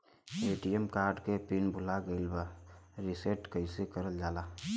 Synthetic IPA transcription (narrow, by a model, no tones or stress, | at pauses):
eːʈijemkaːɾɖkepinbʱʊlaɡəɪlbəɾiseʈkəɪsekəɾəld͡ʒaːla